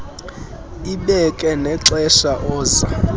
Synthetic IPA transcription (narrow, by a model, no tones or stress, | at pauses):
iɓɛkʼɛnɛǁɛʃaʔɔːza